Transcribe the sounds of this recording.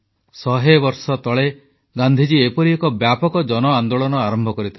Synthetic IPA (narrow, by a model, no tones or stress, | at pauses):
sɔɦebɔɾsɔt̪ɔɭe | ɡand̪ʱid͡ʒiepɔɾiekɔbjapɔkɔd͡ʒɔnɔand̪oɭɔnɔaɾɔmbʱɔkɔɾit̪ʰa